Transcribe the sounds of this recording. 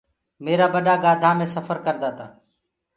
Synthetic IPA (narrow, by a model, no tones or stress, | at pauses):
meːɾaːbəɗaːɡaːd̪ʱaːmẽːsəfʰəɾkəɾd̪aːt̪a̰ː